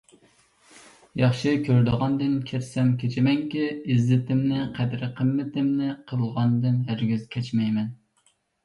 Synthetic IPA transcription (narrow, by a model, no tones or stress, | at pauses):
jɑχʃɨkʲʰøɾd̪ɨʁɑnd̪ɨnkʲʰeɾsɛmkʲet͡ʃʰɪmɛŋkʲiizɪt̪ʰɪmnɪqʰɛd̪ɾqʰəmːɪt̪ʰɪmnɪqʰəlˠʁɑnd̪ɨnjæɾɡʲyzkʲʰɛt͡ʃmɛjmɛn